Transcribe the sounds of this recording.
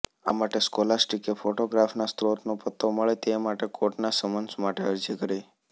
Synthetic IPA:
a̰maʈeskolasʈikefoʈoɡɾafnast̪ɾot̪nopət̪ʰːoməɭet̪emaʈekoʈnasəmənsmaʈeəɾd͡ʒikəɾe

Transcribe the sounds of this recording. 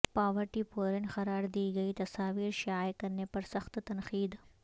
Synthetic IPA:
paːʋɐʈipoːɾenxɐɾaːɾd̪iːɡɐit̪ɐsaːʋiːɾʃaːekɐɾnepɐɾsɐxt̪t̪ɐnxiːd̪

